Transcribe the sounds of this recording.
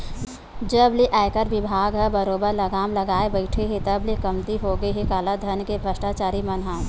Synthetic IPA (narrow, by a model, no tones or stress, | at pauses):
d͡ʒɐbliʔaːɪkəɾʋɪbʱaːɡɦɐbɐɾoːbəɾlɐɡaːmlɐɡaːebəɪʈʰeɦet̪ɐblikɐmt̪iɦoːɡəɦekaːlad̪ʱɐnkebʱɾəsʈat͡ʃaːɾimɐnɦaː